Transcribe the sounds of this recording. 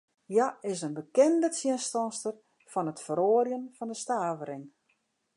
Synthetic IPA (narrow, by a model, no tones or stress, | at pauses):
jaɪs̬ənbəkɛndət͡sjɪnstɔnstər | fɔnətfəɾoːrjənfɔndəstaːvəɾɪŋ